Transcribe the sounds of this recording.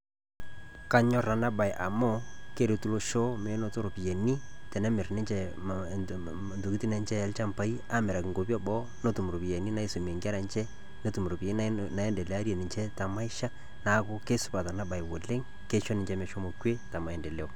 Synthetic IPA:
ka˦ɲɔ˦ra˨na˦ba˨jʔa˨mɔ˦ke˦ɾe˨tu˦lo˦ʃo˦me˨˦no˦to˦ɾo˨pi˨je˨ni˦tɛ˨nɛ˦mɪ˨rnɪ˦t͡ʃɛ˦ | ntu˨ki˦ti˦nɛ˨˦nt͡ʃɛ˦ɛ˨˦lt͡ʃa˦mpa˨i˦a˦mɛ˨ɾa˨kɪ˨ŋɡo˨pi˦ɔ˦bɔ˦ | no˦tu˨m˨ɾo˨pi˨je˨ni˦na˦i˦so˨m˨e˨ŋɡɛ˦ɾa˨nt͡ʃɛ˦ | no˦tu˨m˨ɾo˨pi˨e˦na˨ɛ˦ndɛ˨le˨˦a˦ɾjɛ˨nɪ˨ɲt͡ʃɛ˦ta˨ma˦ɪ˦ʃa˦ | na˨˦kʊ˦ke˦sʊ̥˨˦pa˨ta˨na˦ba˨ɪ˨wo˨le˦ŋ | ke˦ʃo˦nɪ˨ɲt͡ʃɛ˦mɛ˨ʃo˦mo˨kwe˦ta˨ma˨ɛ˨ndɛ˨le˦o˨

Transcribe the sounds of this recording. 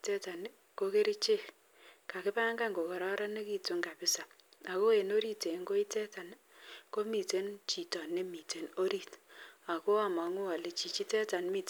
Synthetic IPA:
tɛ˦ta˨n˦ | ko˦ke˦ɾi˦t͡ʃe˦˨ | ka˨kɪ˦pa˦ŋɡa˦ŋɡo˨kɔ˨ɾɔ˦ɾa˦ne˦ki˦tu˦ŋɡa˨pɪ˦sa˨ | a˨ko˦e˨no˦ɾi˦te˨˦ŋɡo˦i˦tɛ˦ta˨n | ko˦mi˨te˦nt͡ʃi˨tɔ˨ne˦mi˨te˨no˦ɾi˦˨ta˨ko˦a˨ma˨ŋu˦a˨le˨t͡ʃi˨t͡ʃi˦tɛ˦ta˨nmi˨t

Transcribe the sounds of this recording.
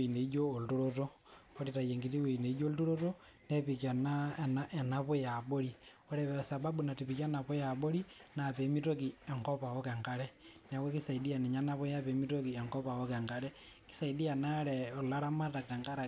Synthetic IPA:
eine˨i˦d͡ʒoː˦˨ltoɾo˦to˦ | o˦ɾi˨ta˨je˨ŋɡi˨ti˦weine˨i˦d͡ʒo˦ltu˦ɾo˦to | ne˦pi˨kja˨nane˨na˨po˦ja˨bo˦ɾi | o˦ɾeβesa˨ba˦buna˨ti˨pikja˦na˨βo˦ja˨bo˦ɾina˨pe˨mi˦to˦kie˨ŋko˦pa˨wo˦ke˨ŋɡa˦ɾena˨we˦ki˦sa˨idi˦a˨ne˨ɲa˦na˦βo˦japemi˦to˦ki˨e˨ŋko˦pa˨wo˦ke˨ŋɡa˦ɾe | ki̥˦sa˨idi˦ja˨na˦ɾeo˨la˦ɾa˦ma˦ta˨kte˨ŋɡa˦ɾa˨

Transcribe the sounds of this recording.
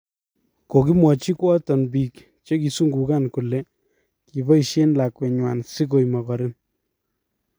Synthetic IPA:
ko˨ki˦mwɔ˨t͡ʃi˦kwɔ˦tɔ˨nbi˨k | t͡ʃe˦ki˨su˦ŋɡu˨ka˦˨nku˨le˦ | ki˨bɔ˦i˨ʃe˦nla˨kwɛ˨ɲwa˨nsi˦ko˨jma˨kɔ˨ɾɪ˦n

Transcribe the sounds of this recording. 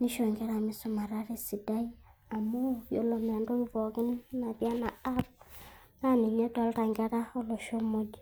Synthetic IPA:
ni˦ʃo˨ŋɡe˦ɾa˨mi˦sʊ˦ma˨ɾa˦ɾe˦si˨da˦i˦ | a˨mu˦jo˨lo˨ma˨ndo˦i˦vɔ˨kɪ˦nːa˨bja˦na˨a˦p̚na˦ni˨ɲe˦dɔ˦lta˨ŋɡa˦ta˦o˦lo˨ʃo˦mo˦d͡ʒ

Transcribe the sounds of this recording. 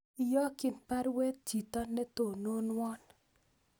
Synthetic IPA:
i˨jɔ˦kɪ˨npa˦ɾwɛ˦t̪̚t͡ʃi˨t̪ɔ˦nːɛ˦t̪o˨no˦nwɔ˦n

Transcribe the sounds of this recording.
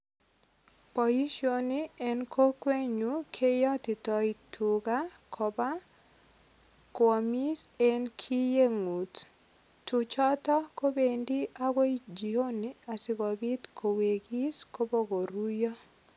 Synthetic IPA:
po˨ji˦ʃo˨niɛ˦nkʰo˦kwe˦ɲu˨kʰe˦jɔ˦tɪ˨tɔ˨itʰuɡa˦kʰɔ˨ba˦ | kɔ˨mi˦se˦nkʰi˦je˦ŋu˨t | tut͡ʃɔ˦tɔ˦ko˦be˨ndi˦a˦ɡo˦d͡ʒi˨o˦ni˨a˨sɪ˨ɡɔ˨bi˦t̪kʰo˨we˨ɡi˦sko˦bo˦ɡo˨ɾu˦jɔ˦

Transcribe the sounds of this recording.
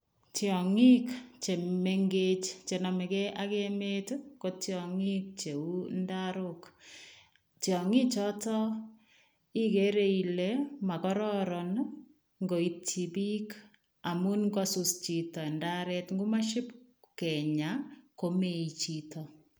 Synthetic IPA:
tjɔ˨ŋi˦kt͡ʃe˨me˦ŋɡe˦t͡ʃt͡ʃe˨nɔ˨mɛ˨kɛ˦ʔa˦keme˦tkotjɔŋi˦k̚t͡ʃe˨u˦ndaɾʊk | tjɔ˨ŋi˦t͡ʃɔ˦tɔ˦ | i˦ke˨˦ɾe˦i˨le˦ma˨kɔɾɔɾɔ˨n | ŋɡo˨i˦tʰi˨bi˦k | a˨mu˦nŋkɔ˦sʊ˨st͡ʃi˨tɔ˨nda˦ɾɛ˦tŋɡu˦ma˦ʃɪ˦p | kɛ˨ɲa˨ko˦me˦i˨t͡ʃi˦tɔ

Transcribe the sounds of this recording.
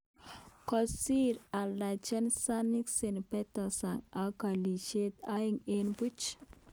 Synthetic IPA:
kɔ˨si˦ɾa˨la˨t͡ʃə˦nsa˦ni˦kse˨npɛ˦t̪a˨sa˨ŋa˨ka˨li˨ʃe˦t̪a˦iŋenpu˦t͡ʃ

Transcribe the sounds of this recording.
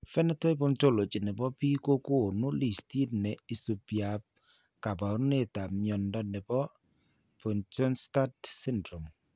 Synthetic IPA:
fɛ˦nɛ˦tɔ˦i˦po˦nto˦lo˨t͡ʃi˨nɪ˨bɔ˦pi˦ko˦ko˦˨nʊ˦li˨sti˦dnɛ˨i˨so˨pja˨p̚ | ka˨ba˨ɾʊ˦ne˦˨ta˨mjɔ˨ndɔ˨nɛ˨bɔ˦ | po˨nto˦nsta˦tsɪ˦ndɾo˨m

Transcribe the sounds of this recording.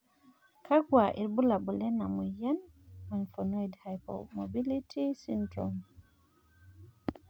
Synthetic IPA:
kʰa˦ɡwa˨ʔi˨ɾbu˦la˨bu˨lɛ˦na˨mu˨ja˦n | ma˨nfonojdhajpo̰mobi˦litʰi˦sintɾom

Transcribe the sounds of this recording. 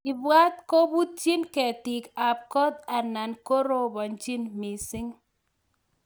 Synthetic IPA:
ɪ˨bwa˦t̪̚ko˦bu˦t̚t͡ʃi˦nkɛ˨tɪ˨ka˨p̚kɔ˦t̪a˨na˨nko˦ɾo˦bɔ˨nt͡ʃi˦nmi˨sɪ˦ŋ

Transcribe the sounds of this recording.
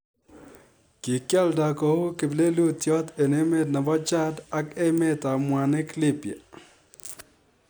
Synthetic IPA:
ki˨kja˦lda˨kɔ˨o˦ke˨ble˦lu˦t̪jɔ˦t̪e˨ne˦me˦dna˨bɔ˦t͡ʃa˦da˦ke˦me˦ta˨mwa˨ne˦klɪ˦pje˨

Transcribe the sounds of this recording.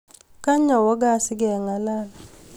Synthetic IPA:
ka˦ɲɔ˨wɔ˦ɡa˦˨sɪ˦ɡɛ˨ŋa˨la˦la˨

